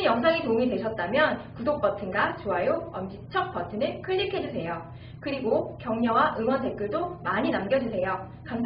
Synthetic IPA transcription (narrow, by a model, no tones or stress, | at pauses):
jʌŋs̬ʰaŋetouŋidwe̞ɕʰʌt̚t͈amjʌnkudok̚p͈ʌtʰɯnɡat͡ɕoajoʌmd͡ʑit͡ɕʰʌk̚p͈ʌtʰɯnɯɭkʰɯʎːikʰe̞d͡ʑusʰe̞jo | kɯɾiɡokjʌŋɲʌwaʔɯŋwʌnte̞k͈ɯɭdomaɲinamɡjʌd͡ʑusʰe̞jo | kam